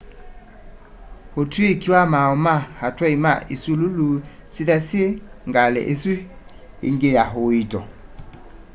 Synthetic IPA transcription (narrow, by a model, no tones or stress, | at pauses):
hotwekiamaɔmahatɛima̰esilulusidaseŋɡalɛ̰ʔesiḛŋɡejaɦoitɔ